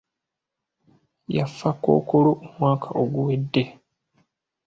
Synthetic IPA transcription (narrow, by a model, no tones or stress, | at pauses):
jafːako̞̰ːkoloʔomwaːkʰaʔoɡuwedːe̞